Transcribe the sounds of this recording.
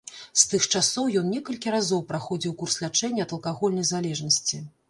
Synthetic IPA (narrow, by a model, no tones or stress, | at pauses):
st̪ɨxt͡ʂasɔwjɔnnʲɛkɐlʲkʲiɾazɔwpɾaxɔd͡zʲiwkurslʲat͡ʂɛnʲːɐɐt̪ɐlˠkaɣɔlʲnɐjzalʲɛʐnɐsʲt͡sʲi